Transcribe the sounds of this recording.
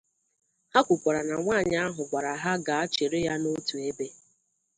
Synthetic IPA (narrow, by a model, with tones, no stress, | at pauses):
ha˦kʷʊ˨kʷa˨ɾa˨na˨ŋʷaː˦˨ɲa˦a˦ɦʊ˨ɡ͡bʷa˨ɾa˨ɦa˦ɡa˨a˦t͡ʃe˨ɾɪ˦ja˦no˦tu˨e˦be˦